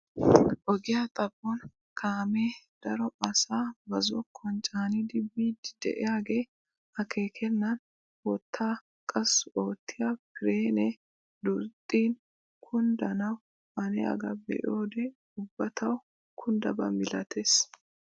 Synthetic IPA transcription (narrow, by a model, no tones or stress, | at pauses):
ʔɔɡɪjat̪ʼɐpʼːɔn | kʰaːmeːd̪̥ɐɾɔɐsaːbɐzɔkʰːɔnt͡ʃʼaːnid̪ɪbːiːd̪d̪̥ɛ̰ʔɛjaːɡeː | ɐkʰe̞ːkʰɛnːɐn | wɔt̪ʰːaː | kʼɐsʊoːt̪ːɪjapɪɾeːnɛ | d̪ʊɾt̪ʼːiːn | kʰʊnd̪ɐnɐw | ɐnɛ̰ɐ̰ɡɐbɛ̰ʔoːd̪ɛ | ʊbːɐt̪ʰɐw | kʰʊnd̪ɐbɐ̰mɪlɐt̪ʰeːs